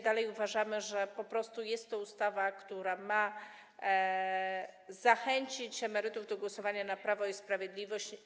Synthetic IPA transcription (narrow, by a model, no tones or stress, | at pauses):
d̪alɛjuvaʐamɘʐɛpɔpɾɔst̪ujɛst̪ːɔust̪avakt̪uɾama | zaxɛɲt͡ɕit͡ɕɛmɛɾɘt̪uvd̪ɔɡwɔsɔvaɲanapɾavɔispɾavʲjed̪lʲivɔɕt͡ɕ